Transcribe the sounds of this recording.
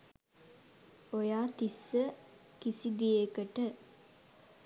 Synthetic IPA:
ojaːt̪isːə | kisid̪ijekəʈə

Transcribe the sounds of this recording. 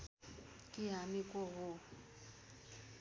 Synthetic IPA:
kʼɪɦamɪkʼɔɣʊ

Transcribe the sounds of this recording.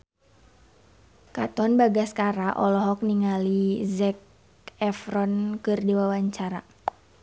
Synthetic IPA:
kat̪ɔnbaɡaskaɾaʔɔlɔɦɔk̚niŋalizɛk̚ | ɛfɾɔnkɨrdiwawaɲt͡ʃaɾa

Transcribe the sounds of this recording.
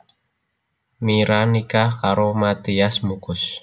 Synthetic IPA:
miɾanikahkaɾomat̪iasmukʊs

